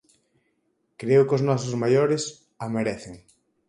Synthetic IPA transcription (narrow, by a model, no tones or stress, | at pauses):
kɾeʊkoznɔs̬ozmajoɾes | ameɾeθeŋ